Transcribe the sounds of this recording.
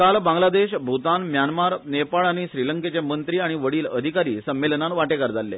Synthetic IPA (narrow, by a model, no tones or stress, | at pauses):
kalbãŋɡlad̪eɕbʱut̪anmjanmaɾnepaɭaɽ̃iɕɾiləŋket͡ɕemənt̪ɾiːaɽ̃iʋəɽiːləd̪ʱikaɾiːsəmːelnanʋaʈekaɾd͡zʱalːḛ